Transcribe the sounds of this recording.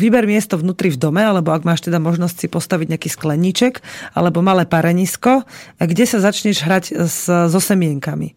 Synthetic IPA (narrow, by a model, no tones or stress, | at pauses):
ʋibɛɾmɪɛst̪ɔvnuːt̪ɾivd̪ɔmɛalɛbɔaɡmaːʃt̪ɛd̪amɔʒnɔscsipɔst̪aʋiɟɲɪakiːsklɛɲːit͡ʃɛka̰lɛbɔmalɛːpaɾɛɲiskɔaɡɟɛsazat͡ʃɲɛʒɦɾaɟzzɔsɛmɪɛŋkamḭ